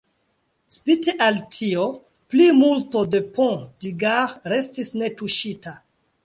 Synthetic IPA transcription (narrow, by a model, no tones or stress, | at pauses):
spiteʔaltʰio | plimulto̞de̞pɔ̃diɡaɾɾe̞stisne̞tuʃita